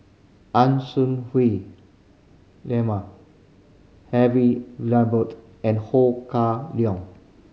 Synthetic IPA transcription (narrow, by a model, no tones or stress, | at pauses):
ʔãnsũnhwe | lɛ̃ma | hɛviɹilãbət | ɛ̃nhokaliɔ̃ŋ